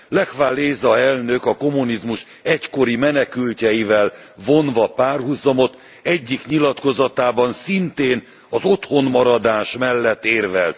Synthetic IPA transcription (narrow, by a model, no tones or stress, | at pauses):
lɛkvaːlːeːzɒɛlnøkɒko̞munizmuʃ | ɛcko̞ɾimɛnɛkylcɛjivɛlvo̞nvɒpaːrɦuzɒmo̞t̪ | ɛɟːikɲilɒt̪ko̞zɒt̪aːbɒnsint̪eːn | ɒzo̞t̪ho̞nmɒɾɒd̪aːʃmɛlːɛt̪ːeːrvɛlt̪̚